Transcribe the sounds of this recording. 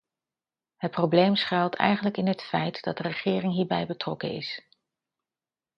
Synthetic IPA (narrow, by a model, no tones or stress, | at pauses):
ɦət̚prowblejmsχɛlˠtʰɛ̰jχənləkɪnɦətfɛjtd̥ɑt̚dərəχɪːrɪŋɦiːɹbɛjbətrɔkəɪ̰s